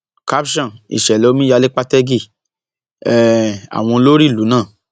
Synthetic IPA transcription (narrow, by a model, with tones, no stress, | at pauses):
ka˦pʃɔ̃˦˨ḭ˨ʃɛ˨lɛ˨˦o˦mĩ˦ja˧le˦k͡pa˦tɛ˦ɡi˦˨ | ɛ˦a̰˨w̃ɔ̃˧lo˦ɾi˦˨lu˨˦nãː˦˨